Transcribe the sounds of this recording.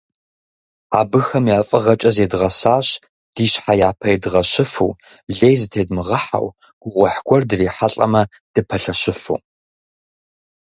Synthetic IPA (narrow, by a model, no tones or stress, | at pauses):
aːbɨxɐmjaːfʼɐʁɐt͡ʃʼɐzeːdʁɐsaːɕ | d̥iːɕħajaːpʰɐjedʁɐɕɪfṵː | ɮeːjzɨtʰeːdmɨʁɐħa̰w | ɡ̥ʷʊʁʷɔħɡʷɔrdɨreːħaɬʼɐ̰mɐ | d̥ɨpʰɐɬɐɕɪfṵː